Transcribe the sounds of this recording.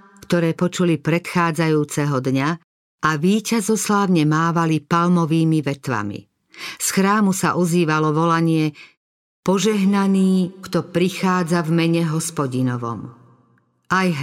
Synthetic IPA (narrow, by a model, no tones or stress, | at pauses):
kt̪ɔɾɛːpɔt͡ʃulipɾɛt̪xaːd͡zajuːt͡sɛɦɔd̪ɲa | ʔaʋiːcazɔslaːʊɲɛmaːʋalipalmɔʋiːmiʋɛt̪ʋa̰mḭ | sxɾaːmusa̰ʔɔziːʋalɔʋɔlaɲɪɛ | pɔʒɛɦnaniːkt̪ɔpɾixaːd͡zavmɛɲɛɦɔspɔɟinɔʋɔ̰m | ajɦ